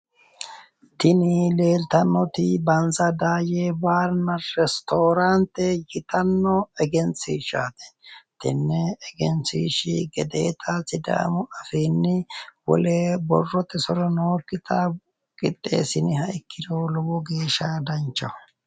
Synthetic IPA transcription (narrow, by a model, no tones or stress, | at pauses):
t̪ɪnɪle̞ːlt̪ɐnːɔt̪ɪbɐnzɐd̪aːjeːbaːɾnɐɾɛst̪oːɾant̪ɛjɪt̪ɐnːɔɛɡɛnt͡siːʃaːt̪ɛ̥t̪ɪnːɛːɡɛnsiːʃɪɡɛd̪eːt̪ʰaːsɪd̪a̰ːmɔɐfiːnːɪwɔ̰leːbɔ̰rːɔt̪ːɛsɔɾɔnoːkːɪt̪ʰɐ | kʼɪt̪ʼːḛːsɪnɪhɐɪkʰːɪd̪oːlɔwɔɡe̞ːʃad̪ɐnt͡ʃːɐ̰